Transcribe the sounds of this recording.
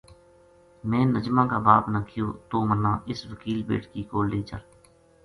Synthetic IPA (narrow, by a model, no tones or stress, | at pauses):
mɛ̃ːnəd͡ʒmãːkaːbaːpnaːkʰɪjoːt̪oːmənːãːʔɪsʋəkiːlbḛːʈkiːkoːlliːt͡ʃə̰l